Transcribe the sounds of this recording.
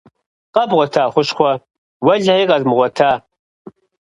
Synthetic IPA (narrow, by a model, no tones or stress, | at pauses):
qʼɐbʁʷɔtʰaːχʷʊʃχʷɔ | wɐɮijːqʼɐzmʁʷɔtʰaː